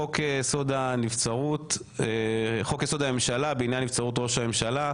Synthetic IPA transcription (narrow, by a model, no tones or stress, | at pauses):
okesod̪anift͡saʁut̪ | χo̞keso̞d̪amemʃalabeinjanːift͡saʁut̪̬ʁo̞ʃame̞mʃala